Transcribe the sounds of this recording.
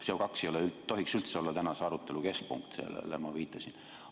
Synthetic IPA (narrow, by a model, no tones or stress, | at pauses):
seokɑksejoleyt̪ːo̞ɦiksylt̪se̞o̞lːɑt̪ænɑseɑɾut̪ːˑeluke̞sk̚pṵŋkt̪sḛlḛlːḛmɑʋiːt̪ˑːɑsin